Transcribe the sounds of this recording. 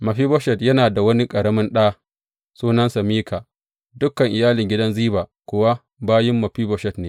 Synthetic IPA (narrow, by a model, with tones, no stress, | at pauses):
mɐ˨ɸiː˦bɔ˦ʃɛ˨tjɐ˦naː˨da˨wɐ˦ni˦kʼɐ˨ɽɐ˦mɪ˦nɗaː˦ | suː˦nɐ˦nsa˨miː˦kʰa˨ | dʊ˦kːɐ˨ŋʔɪ˨jaː˦lɪ˨ŋɡʲɪ˦dɐ˦nziː˦baː˨kʷʊ˨wa˦ | baː˦jɪ˦mːɐ˨ɸiː˦bɔ˦ʃɛ˨tneː˨